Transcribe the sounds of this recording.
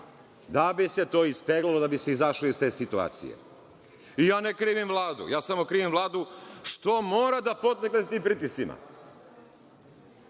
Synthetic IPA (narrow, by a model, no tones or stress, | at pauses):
d̪abise̞t̪o̞ːispeɡlalod̪abise̞izaʃleoist̪e̞ːsit̪ua̰ːt̪sḭjḛ | ijaːnekɾiːʋimvlˠaːd̪ṵjaːsamo̞kɾiːʋimvlˠaːd̪uʃt̪omo̞ːɾad̪apo̞t̪eknet̪iːmpɾiːt̪isima̰